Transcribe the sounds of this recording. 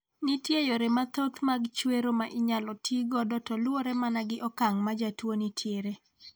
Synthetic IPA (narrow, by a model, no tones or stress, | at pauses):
nitjejoɾemat̪ot̪maɡt͡ʃweɾomaʔɪɲalɔtʰiɡɔdɔtɔlwoɾɛmanaɡɪʔɔkaŋmad͡ʒatwonitʰjeɾe